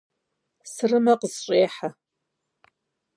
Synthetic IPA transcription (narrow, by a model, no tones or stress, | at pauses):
sɨrɨmɐqəzɕʼeːħa